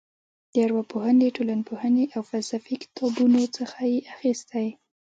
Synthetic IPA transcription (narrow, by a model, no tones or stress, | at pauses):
d̪̥əjaɾwapohənləʈolanpʰohəneʔawfalsafikɪ̥t̪ʰɑbunot͡səxajeʔaxist̪aj